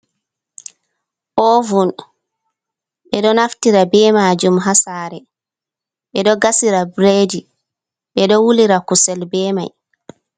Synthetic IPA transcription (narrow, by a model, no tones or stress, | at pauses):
ʔɔvun | ɛɗɔnaftiɾabɛmad͡ʒumɦasaːɾɛ | ɓɛɗɔɡasiɾabɾedi | ɓɛɗɔwuliɾakusɛlbɛːma̰j